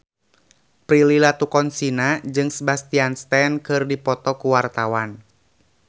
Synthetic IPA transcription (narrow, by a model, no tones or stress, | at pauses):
pɾililat̪ukɔnsinad͡ʒɨŋsəbast̪ianst̪ɛnkɨrdipɔt̪ɔkuwart̪awan